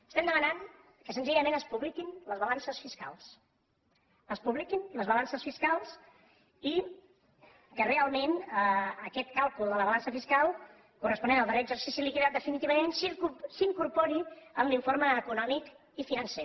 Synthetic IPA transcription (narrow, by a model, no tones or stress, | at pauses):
əst̪ɛmd̪əmənan | kəsənziʎəmenəspuβlikinləzβəlansəsfiskalˠs | əspuβlikinləzβəlansəsfiskalˠs | i | kərealˠmenəəkɛt̪kalˠkulˠd̪ələβəlansəfiskalˠ | kurəspunenəlˠd̪əɾeəɡzəɾsisilikiðat̪̚d̪əfinit̪iβəmensiusiŋkuɾpoɾiəmliɱfoɾməːkunɔmik | ifinənse